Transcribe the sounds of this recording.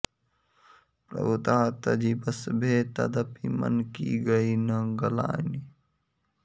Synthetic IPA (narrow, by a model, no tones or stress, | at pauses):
pɾɐ̰but̪aːt̪ɐd͡ʒiːbɐsbʱeːt̪ɐd̪ɐpimɐ̰nkiɡɐiːnɐ̃ɡɐla̰ːni